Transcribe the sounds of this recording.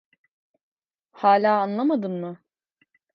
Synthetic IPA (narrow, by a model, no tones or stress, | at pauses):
haːlʲaːanlˠamad̪ɯnmɯ